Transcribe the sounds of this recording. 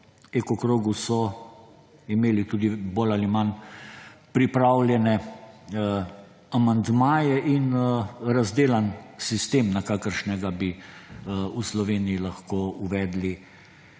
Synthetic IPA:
ɛkɔkɾoːɡusɔ | imeːlit̪uːd̪iboːlaliman | pɾipɾaːwlʲjɛnɛ | amand̪maːjɛʔinɾazd̪eːlansist̪eːmnakaːkəɾʃnɛɡabi | uslɔʋeːnijilaxkoːuʋɛːd̪li

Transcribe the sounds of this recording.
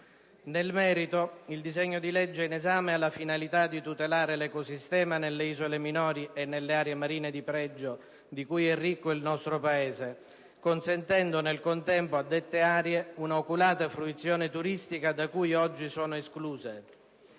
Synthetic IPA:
nelmɛːɾit̪oild̪izɛɲːod̪ilɛd͡ʒːeinezaːmealːafinalit̪ad̪it̪ut̪elaːɾelekosist̪ɛːmanelːeiːzoleminɔːɾiʔenːelːeaːɾjemaɾiːned̪ipɾɛd͡ʒːo | d̪ikujɛrːikːoilnɔst̪ɾopaeːze | konsent̪ɛnd̪onelkont̪ɛmpoad̪ːet̪ːeaːɾjeunaokulaːt̪afɾuit̪sːjɔːnet̪uɾist̪ikad̪akuːjɔd͡ʒːisɔːnoeskluːze

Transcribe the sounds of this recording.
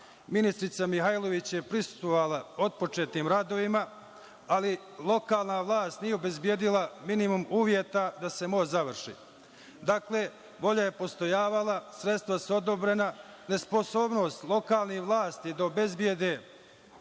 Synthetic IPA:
minist̪ɾit̪samixajlo̞ʋit͡ɕje̞pɾisu̥st̪ʋoʋalˠao̞t̪̚po̞t͡ʃe̞ːt̪niːmɾad̪o̞ʋima | ali | lˠo̞kaːlˠnaʋlˠaːst̪nijeobe̞zbje̞ːd̪ilaminimumuːʋjet̪ad̪ase̞mozaʋr̩ʃḭ | d̪akle | ʋo̞ʎaje̞po̞st̪o̞jaːʋalˠasɾet̪st̪ʋasuo̞d̪o̞bɾe̞na | ne̞spo̞so̞ːbno̞ːst̪lˠo̞kaːlˠnihʋlˠaːst̪id̪aobe̞zbjed̪eː

